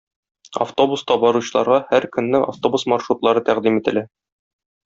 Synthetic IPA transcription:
ɐ̰ft̪o̞bust̪ɑbɒɾuɕɤ̆lˠɑ̰ɾʁɑhæɾkɵ̆nːɘʔa̰ft̪o̞busmɑʃɾut̪lˠɑɾɤt̪æʁd̪imit̪ɘ̆læ

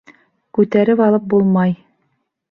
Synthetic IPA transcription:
kʉt̪æɾɘpɑlˠɤp̚bulˠmɑj

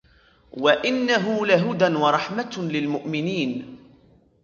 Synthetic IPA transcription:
waʔɪnːaɦʊlaɦʊd̪anwɑɾˤɑħmat̪lɪlmʊʔmɪniːn

